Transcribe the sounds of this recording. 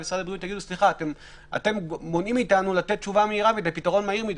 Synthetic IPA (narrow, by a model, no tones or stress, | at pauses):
vesʁad̪abʁijut̪jaɡid̪usliχaːt̪em | a̰t̪e̞mbo̞nimitanulat̪e̞t̚t͡ʃuvameiʁaved̪ajpitaʁo̞nmaiʁmid